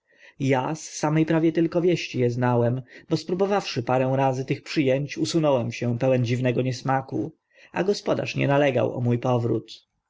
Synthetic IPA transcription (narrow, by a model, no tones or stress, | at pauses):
jasːamɛjpɾavʲjɛt̪ɘlkɔvʲjɛɕt͡ɕijɛznawɛmbɔspɾubɔvafʂɘpaɾɛ̃w̃ɾazɘt̪ɘxpʂɘjɛɲt͡ɕusunɔwɛmɕɛ̃pɛwɛnd͡ʑivnɛɡɔɲɛsmaku | a̰ɡɔspɔd̪a̰ʂɲɛ̰nalɛɡa̰wɔ̰mujpɔvɾṵt̪